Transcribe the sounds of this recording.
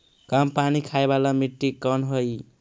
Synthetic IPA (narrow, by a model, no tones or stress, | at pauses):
kampanikʰaebalamiʈːikənɦoj